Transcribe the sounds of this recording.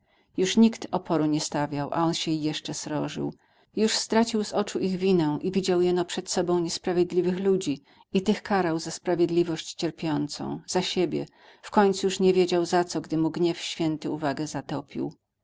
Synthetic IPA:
juʂɲikt̪ɔpʰɔɾuɲɛst̪avʲjawʔa̰ɔnɕɛjɛʂt͡ʂɛsɾɔʐɘ̰w | juʂst̪ɾat͡ɕiwzɔt͡ʂuʔiɣvʲinɛ̃ʔivʲid͡ʑawjɛnɔpʂɛt̪sɔbɔ̃w̃ɲɛspɾavʲjed̪lʲivɘxlud͡ʑi | it̪ɘxkaɾawzaspɾavʲjed̪lʲivɔɕt͡ɕt͡ɕɛɾpʲjɔnt̪sɔ̰̃w̃z̥aɕebʲjɛ̰ | fkɔɲt̪sujuʂɲɛvʲjed͡ʑawzat̪sɔɡd̪ɘmuɡɲɛfɕfʲjɛnt̪ɘuvaɡɛzat̪ɔpʲḭw

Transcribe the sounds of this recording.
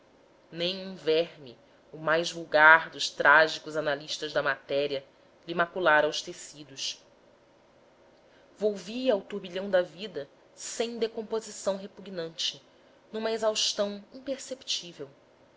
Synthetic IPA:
nẽj̃ũvɛɦmḭ | ʊmajzvuwɡaɾd̪ʊʃt̪ɾʔaʒikʊzanaliʃt̪ɐzd̪ɐmat̪ɛɾiɐ | limakulaɾɐwʃt̪esid̪ʊʃ | vowviɐawt̪uɾbiʎɐ̃w̃d̪ɐvid̪ɐ | sẽj̃d̪ekõmpozisɐ̃w̃ɦepuɡnɐ̃nt͡ʃɪ | nũmɐezawʃt̪ɐ̃w̃ĩpeɾsept͡ʃivew

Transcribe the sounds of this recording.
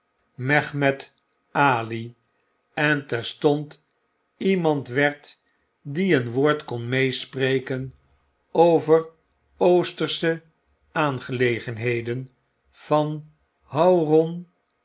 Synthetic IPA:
mɛχmɛt | aːli | ɛntɛɹstɔnt | imɑntʋɛɹt | diənʋoːɹtkɔnmejspreːjkən | owvər | owstəɹsə | aːnχəlejχənɦejdən | v̥ɑn | ɦawrɔn

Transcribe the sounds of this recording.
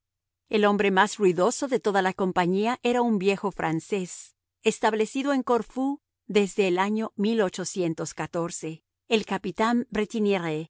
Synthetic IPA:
e̞lo̞mbɾe̞mazruiðo̞so̞ðe̞t̪o̞ðalako̞mpaɲiaʔe̞ɾaumbje̞xo̞fɾʔa̰nse̞s | est̪aβle̞siðo̞e̞ŋko̞ɾfu | ðe̞zðe̞ːlaɲo̞milo̞t͡ʃo̞sje̞nt̪o̞skat̪o̞ɾse̞ | elkapit̪ambɾet̪ineɾe

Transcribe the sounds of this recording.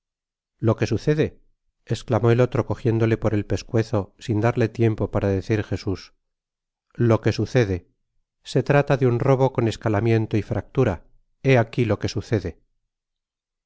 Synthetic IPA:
lo̞ke̞suθe̞ðe̞ː | sklamo̞e̞lo̞t̪ɾo̞ko̞xje̞nd̪o̞le̞po̞ɾe̞lpe̞skwe̞θo̞sind̪aɾle̞t̪je̞mpo̞paɾaðe̞θiɾxe̞sus | lo̞ke̞suθe̞ðe̞ | se̞t̪ɾat̪aðeunro̞βo̞ko̞ne̞skalamjẽ̞nt̪oifɾak̚t̪uɾa | e̞akilo̞ke̞suθe̞ðe̞

